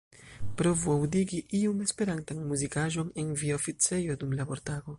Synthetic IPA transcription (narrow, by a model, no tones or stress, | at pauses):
pɾo̞vuawdiɡiʔiume̞spe̞ɾantanmuzikaʒo̞nenviaofit͡se̞jodumlabo̞ɾtaɡo̞